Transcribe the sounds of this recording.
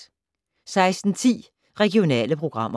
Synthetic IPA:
sɑ̈ɪsd̥n̩t͡sʰḭː | ʁɛɡ̥io̝nɛ̰ːləpʰʁo̝ɡ̥ʁɑ̈m̰ɐ

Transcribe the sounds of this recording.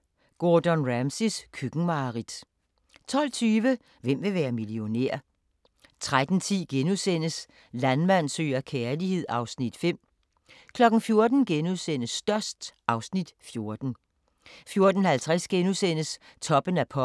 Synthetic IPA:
ɡ̥ɔːd̥ɔnʁæmsiskʰyɡ̥ŋ̩mɑ̈ʁid̥ | t͡sʰɒ̽l̰t͡sʰyːʋə | ʋem̰ʋe̝ʋæːɐmilio̝nḛɐ̰ | t͡sʰʁad̥n̩t͡sʰḭːɡ̥enusen̰əs | lænmæn̰sø̰ːɐkʰeːɐlihe̝ð̞̰ˠɑ̈ʊsnid̥fem̰ | kʰlɒ̽ɡ̥n̩fjo̝ɐd̥n̩ɡ̥enuðˠsen̰əsːd̥ɶɐsd̥ʔɑ̈ʊsnid̥fjo̝ɐd̥n̩ | fjo̝ɐd̥ən̩hælt͡sʰʁasɡ̥enusen̰əst͡sʰɒ̽b̥ənæɐpʰɒ̽

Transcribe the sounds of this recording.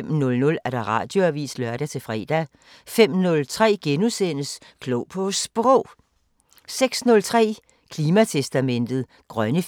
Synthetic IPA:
mnɔ̽lnɔ̽læɐɾ̥ɑ̈ʁɑ̰̈ːd̥jo̝æʋḭːslɶɐɾ̥æt͡sʰe̝fʁɛ̰ːd̥æ | fem̰nɔ̽lt͡sʰʁɛ̰ːɡ̥enusenəs | kʰloʊpʰɔsb̥ʁɔʊ̰ | seɡ̥snɔ̽lt͡sʰʁɛ̰ː | kʰliːmæt͡sʰesd̥æmen̰d̥ð̩ˠ | ɡ̥ʁɶnə

